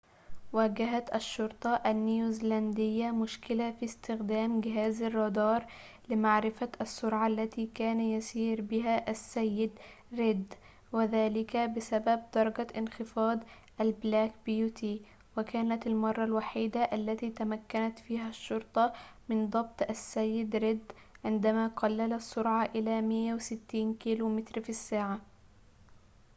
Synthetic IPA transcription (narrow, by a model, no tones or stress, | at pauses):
waːɡaɦat̪ʔaʃːʊɾt̪ˤɑʔanːjuzland̪ɪjːamʊʃkɪlafist̪ɪxd̪aːmɡɪɦaːzɑrˤːɑd̪ɑːɾˤ | lɪmaʕɾɪfaʔasːʊɾʕaʔlːat̪iːkaːnajasiːɾbɪɦaʔasːajːɪd̪ | ɾɪd̪ | wɪðaːlɪkabɪsabab̚d̪̥ɑɾˤɡaʔɪnxɪfɑːd̪ˤ | ʔalblaːk̚bɪjuːt̪ʰiː | wakaːnat̪almɑrˤːɑlwaħiːd̪aʔalːat̪iːt̪amakːanat̪fiːɦaʃːʊɾt̪ˤɑmɪnd̪ˤɑb̚t̪ˤʔasːajːɪd̪ɾɪd̪ | ʕɪnd̪amaːqɑlːalasːʊɾʕɑʔɪlaːmɪjːawɪsɪt̪ːiːnkiːluːmɪt̪ɾfisːaːʕa